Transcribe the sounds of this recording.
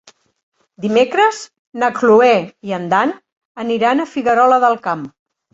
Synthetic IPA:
d̪imekɾəz | nəkluɛiənd̪an | əniɾanəfiɣəɾɔləðəlˠkam

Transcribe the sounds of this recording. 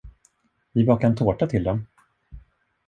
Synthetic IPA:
vɪbɑːkaɛnt̪ʰoːʈat̪ʰɪld̪ɛm

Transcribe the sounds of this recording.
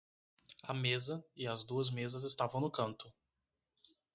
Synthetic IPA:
ɐmezɐɪɐzd̪uɐzmezɐzɪst̪avɐ̃w̃nʊkɐ̃nt̪ʊ

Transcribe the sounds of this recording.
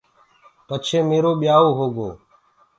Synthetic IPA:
pət͡ʃʰeːmeːɾoːɓɪjaːoːɦoːɡo̰ː

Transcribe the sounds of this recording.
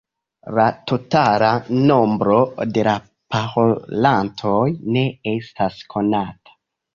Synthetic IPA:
latotalano̞mbɾo̞de̞la | paholantʰojne̞e̞staskʰo̞natḁ

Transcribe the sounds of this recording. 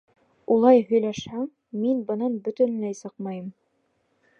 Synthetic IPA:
ulˠɑjɦɵ̆jlæʃhæŋ | minbɤ̆nɑnbɵ̆t̪ɵ̆nlæjsɤqmɑjɤm

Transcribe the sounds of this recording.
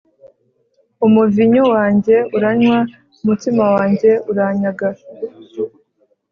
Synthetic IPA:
umuviɲuwaːɲɟe̞uɾaɲwa | umutimawaːɲɟe̞uɾaːɲaɡa

